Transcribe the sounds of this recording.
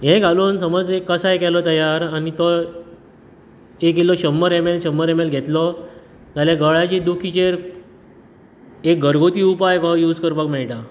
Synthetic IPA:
jɛ̃ɡʱaloːnsəməd͡zekːəsaekɛlɔt̪əjaɾanit̪ɔ | ekelɔɕəmːəɾemelɕəmːəɾemelɡʱɛt̪lɔ | d͡zaljaɡəɭat͡ɕed̪ukʰit͡ɕeɾ | ek̚ɡʱəɾɡʱot̪iːupajkɔjuːd͡zkəɾpakmɛɭʈa

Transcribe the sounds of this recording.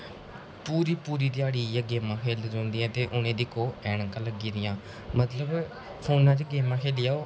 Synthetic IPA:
puːɾiːpuːɾiːt̪iaːɽiːɛːɡeːmãːkʰeːld͡ʒɔ̃ːnd̪iːɛ̃ːt̪eːʔʊnẽːd̪ɪkoːɛːɳəkãːləɡiːɾɪjãː | mət̪ləb | pʰoːnaːd͡ʒəɡeːmãːkʰeːlɪjaːoː

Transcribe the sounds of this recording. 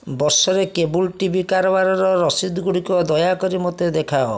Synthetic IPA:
bɔɾsɔɾekebulʈibʱikaɾɔbaɾɔɾɔɾɔsid̪ɡuɽikɔd̪ɔjakɔɾimɔt̪ed̪ekʰaɔ

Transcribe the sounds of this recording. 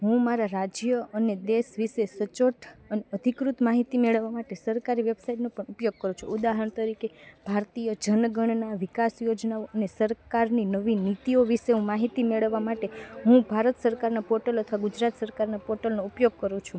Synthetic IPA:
ɦũmaɾaɾad͡ʒjəəned̪esʋiʃesət͡ʃoʈʰəneəd̪ʱikɾut̪maɦit̪imeɭəʋːamaʈesəɾkaɾiʋebsaiʈnopəɳupjoɡ̚kəɾũt͡ʃʰṵud̪aɦəɳt̪əɾikeb̥ʱaɾt̪ijəd͡ʒənɡəɳnaʋikasjod͡ʒnaoʔənesəɾkaɾninəʋinit̪ioʋiʃeɦũmaɦit̪imeɭəʋːamaʈeɦũbʱaɾət̪səɾkaɾnapɔʈələt̪ʰʋaɡud͡ʒɾat̪səɾkaɾnapɔʈəlnoupjoɡ̚kəɾũt͡ʃʰũ

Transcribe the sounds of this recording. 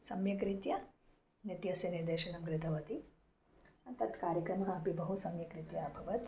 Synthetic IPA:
sɐmjɐkɾit̪jɐ | njɐt̪jɐsjɐniɾd̪eːʃɐnɐmkɾɪt̪ʰɐʋɐt̪i | ɐnt̪ɐt̪kaːɾjɐkɾɐmɐkɐːpibɐɦusɐmjɐkɾit̪jɐːbʱɐʋɐt̪

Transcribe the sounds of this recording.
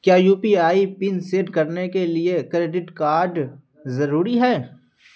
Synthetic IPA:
kjaːjuːpiaːipɪnseːɖkɐɾnekeliekɾeːɖɪʈkaːɾɖ | zɐɾuːɾiɦɛː

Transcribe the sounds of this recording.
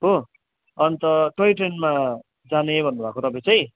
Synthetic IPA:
ɦo | ʌnt̪ʌʈʌjʈenma | d͡zanebʱʌnːubʱaːkot̪ʌpãj̃t͡sʌj̃

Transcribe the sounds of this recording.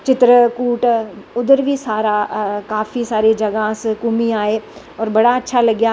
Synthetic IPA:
t͡ʃɪt̪ɾəkuːʈʊd̪əɾbʱisaːɾakaːfisaːɾed͡ʒɐɡaskʊmiaːɦeː | ɔːɾbɐɽaɐtːʃʰalɐɡja

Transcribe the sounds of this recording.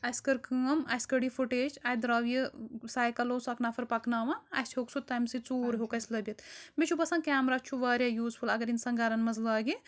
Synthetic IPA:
ɐjskɐɾkɨːɐmɐ̰sʲkɐɽifuʈeːt͡ʃaːjd̪ɾɐːʋjisaːjkɐloːsɐknaːfʰɐɾpɐknaːʋãɐ̰sʰhoːksut̪ːɐːmsit͡suːɾɦoːkɐsʲlɐbʲɐt̪mit͡ʃʰubɐsãːkʲaːmɾaːt͡ʃʰuʋaːɾjaːjuːzpʰulɐɡɐɾinsɐŋɡaɾɐnmɐzlaːɡi

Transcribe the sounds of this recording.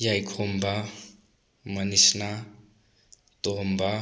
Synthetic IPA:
jajkʰomba | mənisna | t̪omba

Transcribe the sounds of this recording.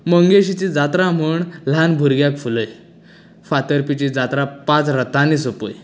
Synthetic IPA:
məŋɡeɕit͡ɕid͡zat̪ɾam̤uɳl̤anbʱuɾɡjakfuləj | fat̪əɾpit͡ɕid͡zat̪ɾapãt͡sɾət̪anisopoj

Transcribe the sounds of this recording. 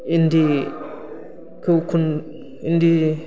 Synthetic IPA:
ind̪i | kʰɯkʰun | ind̪i

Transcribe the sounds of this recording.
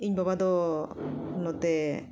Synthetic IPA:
iɲbabad̪ɔ | lɔt̪ɛ

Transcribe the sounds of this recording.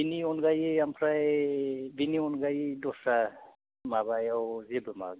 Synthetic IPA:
biniɔnɡajeampʰɾaj | biniɔnɡajdɔsa | mabajawzebɯma̰ɡ

